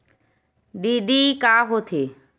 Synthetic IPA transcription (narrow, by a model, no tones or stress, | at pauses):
ɖiɖikaɦot̪ʰe